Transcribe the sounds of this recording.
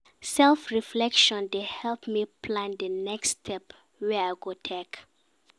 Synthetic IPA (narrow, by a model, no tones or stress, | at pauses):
sɛlfɹiflɛkʃɔ̃ndehɛlpmipʰlãndənɛkstʰɛp | wɛajɡotʰɛk